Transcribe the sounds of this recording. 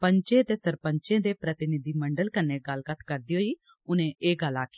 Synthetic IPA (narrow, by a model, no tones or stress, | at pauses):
pəɲt͡ʃẽːt̪eːsəɾpə̃ɲt͡ʃẽːd̪eːpɾət̪ɪnɪd̪iːməɳɖəlkənːeːɡəlɡət̪ʰkəɾd̪iːɦoːiː | ʊnẽːeːɡəlaːkʰi